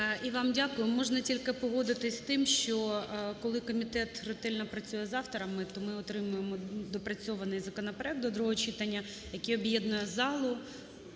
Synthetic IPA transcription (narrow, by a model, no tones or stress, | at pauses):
iʋɑmdʲakʊjʊmɔʐnɐtʲilʲkɪpɔɦɔd̪ɪt̪ɪsʲst̪ɪmʃt͡ʃɔkɔlˠɪkɔmʲit̪ɛt̪rɔt̪ɛlʲnɐpɾɐt͡sʲujɛzɑwt̪ɔɾɐmɪt̪ɔmɪɔt̪ɾɪmʊjemɔd̪ɔpɾɐt͡sʲɔʋɐnɪjzɐkɔnɐpeɾɛk̚d̪ɔd̪ɾuɦɔt͡ʃit̪ɐnʲːɐ | jɐkʲiɔbjɛd̪nʊjɛzɑlˠʊ